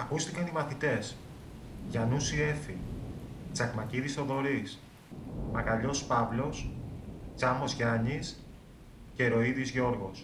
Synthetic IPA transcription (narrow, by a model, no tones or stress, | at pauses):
ɐkust̪ikɐnimɐθit̪e̞s | ʝɐnusie̞fi | t͡sɐɣmɐciðist̪o̞ðo̞ɾis | mɐɣɐʎo̞spɐvlo̞s | t͡sɐmo̞zʝɐɲis | ce̞ɾo̞iðizʝo̞ɾɣo̞s